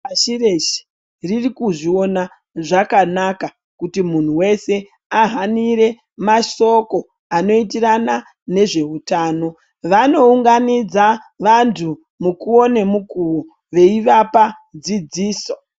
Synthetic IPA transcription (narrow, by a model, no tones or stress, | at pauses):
aʃireʃi̥ | ririkuʐio̞na | ʐakanaka | kutimun̤uwe̞se̞ | aɦaniɾe̞ | maʃo̞ko̞ | ano̞it̬irana | ne̞ʐe̞utaːno̞ | ʋano̞uŋɡanid͡zaʋantʰu | mukuo̞ne̞mukuo | ʋe̞iʋapa | d͡zid͡ziːso̞